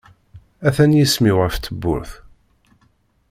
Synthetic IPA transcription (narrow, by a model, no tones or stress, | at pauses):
æθænjismiwʁəft̪ːəbːʊ̰ɾθ